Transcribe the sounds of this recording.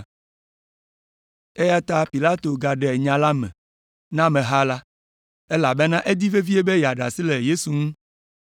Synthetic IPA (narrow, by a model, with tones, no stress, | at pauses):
e˦ja˦t̪a˦pi˨la˦t̪o˨ɡa˨ɖɛ˨ɲã˨la˦mɛ̰̃˨ | nã˦mɛ̃˨ɦa˦la˦ | e˦la˨be˦nã˦ʔe˦d̪i˦ve˦vi˦e˦be˦jɛ˨a˨ɖa̰˨si˦le˨je˦su˨ŋũ˦